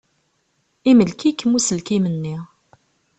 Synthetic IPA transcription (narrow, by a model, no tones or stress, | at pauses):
iməlkikːəmusəlkimənːi